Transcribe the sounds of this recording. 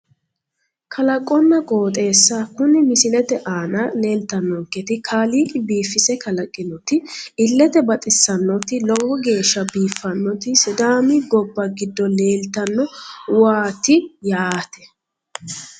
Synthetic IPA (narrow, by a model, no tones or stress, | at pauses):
kʰɐlɐkʼːɔnːɐkʼo̞ːt̪ʼe̞ːsːakʊnɪmɪsɪlɛt̪ɛʔaːnɐle̞ːlt̪ɐnːɔŋkːɛt̪ɪkʰaːliːkʼɪbiːfːɪsɛkɐlɐkʼːɪnɔt̪ɪɪlːɛt̪ɛbɐt̪ʼɪsːɐnːɔt̪ɪlɔɡɔɡe̞ːʃːɐbiːfːɐnːɔt̪ɪsɪd̪aːmɪɡɔbːɐɡɪd̪ːɔle̞ːlt̪ɐnːɔwaːt̪ɪjaːt̪ɛ̥